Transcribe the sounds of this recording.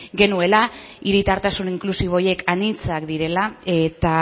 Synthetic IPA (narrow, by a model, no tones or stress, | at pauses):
ɡe̞nue̞laiɾit̪aɾt̪asuniŋklusiβ̞o̞je̞kanit͡sakd̪iɾe̞lae̞t̪a